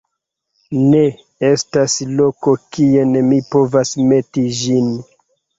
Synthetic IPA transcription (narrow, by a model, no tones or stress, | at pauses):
ne̞ | e̞staslo̞ko̞kienmipo̞vasme̞tid͡ʒin